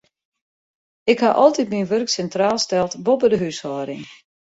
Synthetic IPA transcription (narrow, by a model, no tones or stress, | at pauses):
ɪkhaʔɔlˠtitminʋørksɛntraːlˠstɛlˠtbobədəɦyshɔːɾɪŋ